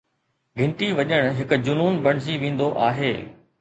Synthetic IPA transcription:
ɡʱɪ̃ɳʈiʋɐɲəɽ̃ɦɪkʊd͡ʑʊnuːnbɐɽ̤ɪd͡ʑiʋẽːn̆d̪oʔaːɦeː

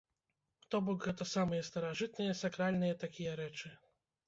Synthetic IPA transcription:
t̪ɔbɔkɣɛt̪ɐsamɨjɛst̪ɐɾaʐɨt̪̚nɨjɛsakɾalʲnɨjɛt̪akʲijɛɾɛt͡ʂɨ

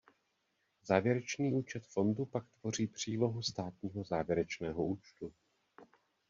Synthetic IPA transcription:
zaːvjɛɾɛt͡ʃniːuːt͡ʃɛt̪fo̞ndupakt̪v̥o̞r̝iːpr̝̥iːlo̞ɦust̪aːt̪ɲiːɦo̞zaːvjɛɾɛt͡ʃnɛːɦouːt͡ʃt̪u

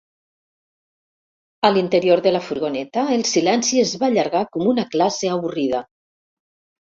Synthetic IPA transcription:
əlint̪eɾioɾðəlafuɾɣonɛt̪aelˠsilɛnsiezβaːʎaɾɣakomunaklaseəβurið̞a

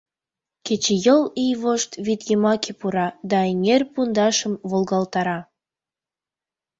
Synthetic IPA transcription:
kʲet͡ɕejəlijβoʃt̪vid̪jemɑkepuɾɑd̪ɑenʲerʲpund̪ɑʃə̆mvolɣɑlt̪ɑɾɑ

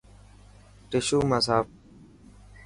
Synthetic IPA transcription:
ʈɪʃuːməsaːf̚

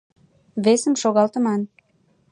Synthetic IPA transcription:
βesəmʃoɣɑlt̪ə̆mɑn

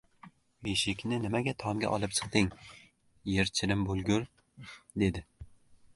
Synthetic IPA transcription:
beʃɪkʲnɪnɪmaɡʲat̪ʰɒmɡʲa̰ʔɒlˠɨpt͡ʃʰɨ̥q̚t̪ɪŋ | jeɾt͡ʃʰɪɾɪmbolˠɡʲʊɾ | d̪e̞d̪ɪ

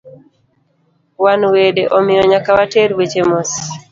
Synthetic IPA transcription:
wanwedeʔɔmɪjɔɲakawateɾwet͡ʃemos

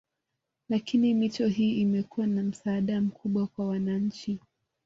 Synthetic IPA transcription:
lakinimit͡ʃɔɦiːʔimɛkuwanam̩saːɗam̩kʰuɓwakwawanaɲ̩t͡ʃi

